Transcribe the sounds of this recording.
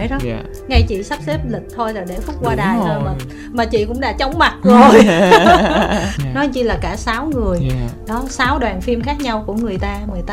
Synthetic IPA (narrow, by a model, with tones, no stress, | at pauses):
jɗɔ˨˦ | ŋa˧jt͡ɕḭ˧˨sa˦˥p̚se˦˥p̚lï˨˩k̟̚t̪ʰo˧jzo˨˩jɗe˧˩fʊ˦˥k͡p̚kwaː˧ɗaː˨˩jzo˨˩˨ | maː˨˩t͡ɕḭ˧˨kʊ̰˧˥ŋ͡mɗa̰ː˧˥t͡ɕə˨˦wŋ͡mma˨˩t̚zo˨˩j | nɔ˨˦jɲɨ˧laː˨˩kaː˧˩saː˨˦wŋɨ˨˩əjɗɔ˨˦saː˨˦wɗwaː˨˩nfi˧mxaː˦˥k̚ɲa˧wku˧˩əŋɨ˨˩əjt̪aː˧ŋɨ˨˩əjt̪a